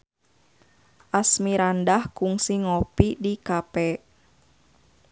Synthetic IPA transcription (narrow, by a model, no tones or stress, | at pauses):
ʔasmiɾandahkuŋsiŋɔpidikapɛ